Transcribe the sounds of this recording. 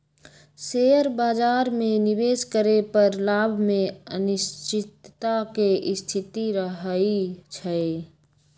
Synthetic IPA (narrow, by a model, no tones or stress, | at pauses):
seəɾbaːd͡ʒaːɾmẽnɪbeːskəɾepəɾlaːbʱmẽənɪst͡ʃɪt̪ːakeʔɪst̪ʰɪt̪iɾəɦit͡ʃʰɛ